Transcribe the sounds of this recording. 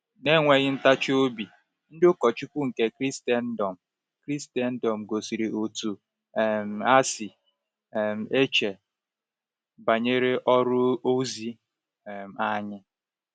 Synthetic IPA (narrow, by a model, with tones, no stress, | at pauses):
ne˦ŋʷe˨ɣɪ˦n̩˦ta˦t͡ʃo˦bi˨ | n̩˦dʊ˦kɔ˨t͡ʃi˦kʷu˦ŋ̩˨ke˦kɾi˦stɛ˨n̩˦dɔ˨m̩˨ | kɾi˦ste˨n̩˦dɔ˨m̩˨ɡo˨si˨ɾi˨ʔo˨tu˨ | m̩˨a˦si˨ | m̩˨e˦t͡ʃe˨ | ba˨ɲe˦ɾe˦ʔɔ˦ɾʊ˦o˦zi˦˨ | m̩˨a˦ɲɪ˦